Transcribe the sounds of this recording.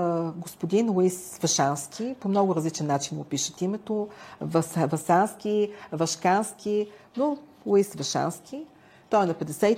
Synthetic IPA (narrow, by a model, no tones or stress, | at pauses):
ɡospod̪inlˠisvɐʃanskʰʲipomnɔɡʊɾɐzlit͡ʃɛnːat͡ʃinɡopiʃət̪imɛt̪ovɐsvɐsanskʲivɐʃkanskʰʲino | lˠoisvɐʃa̰nskʰʲi | t̪ɔɛnɐpɛd̪ɛsɛ